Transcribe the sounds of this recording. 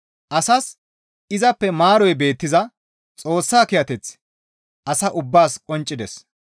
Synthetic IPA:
ʔɐsɐs | ɪzɐpːɛmaːɾɔjbe̞ːt̪ːɪzɐ | t͡sʼo̞ːsːaːkɪjɐt̪ɛt͡s | ʔɐsɐʔʊbːaːskʼɔnt͡ʃʼːɪd̪ɛs

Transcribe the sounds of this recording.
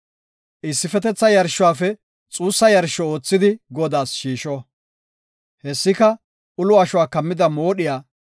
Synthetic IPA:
ʔɪsːɪfɛt̪ɛt͡sːɐjɐɾʃːʊwaːfɛ | t͡sʼuːsːɐjɐɾʃɔo̞ːt͡sːɪd̪ɪɡɔd̪aːsʃiːʃɔ | hɛsːɪkɐ | ʊlʊɐʃʊwaːkɐmːɪd̪ɐmoːɗɪjaː

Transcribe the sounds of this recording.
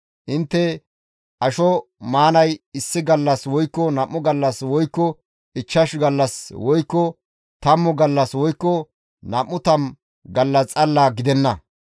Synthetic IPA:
ʔɪnt̪ːɛ | ʔɐʃɔmaːnɐjɪsːɪɡɐlːɐswɔjkːɔnɐmːʊɡɐlːɐswɔjkːɔ | ɪt͡ʃːɐʃɡɐlːɐswɔjkːɔ | t̪ɐmːʊɡɐlːɐswɔjkːɔ | nɐmːʊt̪ɐm | ɡɐlːɐt͡sʼɐlːaːɡɪd̪ɛnːɐ

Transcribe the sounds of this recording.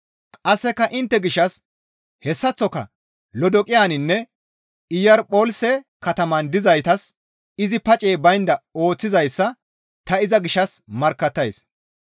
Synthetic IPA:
kʼɐsːɛkːɐʔɪnt̪ːɛɡɪʃːɐs | hɛsːɐt͡sːɔkɐ̰ | lɔd̪ɔkʼɪjaːnɪnːɛ | ɪjɐɾpʼoːlsɛkɐt̪ɐmɐnd̪ɪzɐjt̪ɐs | ɪzɪpɐt͡ʃʼeːbɐjnd̪ɐo̞ːt͡sːɪzɐjsːɐ | t̪ɐɪzɐɡɪʃːɐsmɐɾkːɐt̪ːɐjs

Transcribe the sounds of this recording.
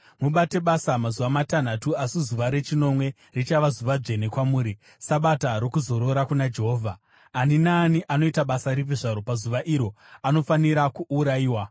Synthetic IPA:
muɓate̞ɓasamazuʋamatan̤atuasizuʋaɾe̞t͡ʃino̞mwe̞ | rit͡ʃaʋazuʋad͡ʐe̞ne̞kwamuːɾi | saɓataɾokuzo̞ɾo̞ɾakunad͡ʒe̞ɦo̞ːvʱaː | ninaːniʔano̞itaɓasaɾipiʐaɾo̞pazuʋaʔiɾo̞ | ano̞faniɾakuuɾaiːwa

